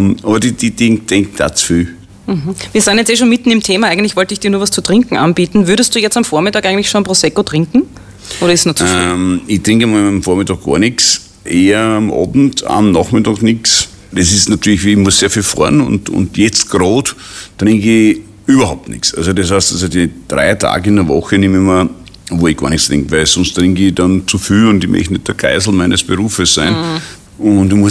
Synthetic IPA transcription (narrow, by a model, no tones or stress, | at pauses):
mʔɑβɐdid̥id̥ɪŋkd̥ɛŋkd̥a̰t͡sfyː | m̩ɦm̩viɐ̥aːnjɛt͡seːʃoːnmɪtn̩ɪmtʰeːmɐæɪɡŋntlɪçvɔltəɪçd̥iːɐnuːɐvast͡sutʁ̥ɪŋkŋ̩ʔanb̥iːtn̩vʏɐɾəstd̥uːjɛt͡stamfɔɐmɪtaːkɪɡŋn̩tlɪçʃonpʁoːsɛkotʁ̥ɪŋkŋ̩ | ʔoːɾɐɪssnɔəmitʁɪŋkmamfoɐmɪtɑɡ̚ɡ̥ɔ̰ːɐnɪks | ʔeːɐamʔɑ̰ːbn̩ta̰mnɑχmɪtɑknɪks | d̥esɪstnatyːɐlɪçvʋiːɪmʊəsseːɐfiːlfɔ̰ɐnʊ̰̃ntʊ̰ndjɛt͡st̚ɡ̥ɾoːt | tɾɪŋki | yːbɐhaʊp̚tnɪ̰ksalsodeshaɪstasodid̥ʁa̰ɪtʰa̰ːɡəɪndəɐvɔxənɪmɪmɐ | voːɪɡ̥ɑ̰ɐnɪkstʁɪ̰̃ŋkvæɪlsɔ̃nstʁɪŋkidɑnt͡sufyːʊndɪmʔḛçnɪt̚d̥əɐɡ̥a̰ɪzl̩mæɪnʔəsb̥əʁuːfəsːæɪn | ʊndɪmʊ